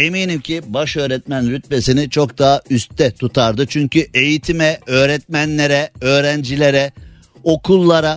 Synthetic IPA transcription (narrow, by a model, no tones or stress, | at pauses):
eminimcʰibaʃø̞ːɾɛt̪̚mænɾyt̪̚be̞sinit͡ʃʰokd̪aɦayst̪ːɛt̪ʰut̪ʰaɾd̪ɯt͡ʃʰyɲcʰyʔe̞jit̪ʰimɛø̞ːɾɛt̪̚mænlʲeɾɛøːɾænd͡ʒilʲe̞ɾɛ | o̞kʰulˠːaɾa